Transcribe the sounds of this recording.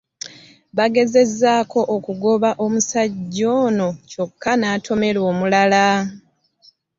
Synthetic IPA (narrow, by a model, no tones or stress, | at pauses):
βaɡe̞ze̞zːaːkʰo̞ʔokuɡo̞βaʔo̞musaɟːo̞ːno̞co̞kʰːanaːtʰo̞me̞lo̞ːmulala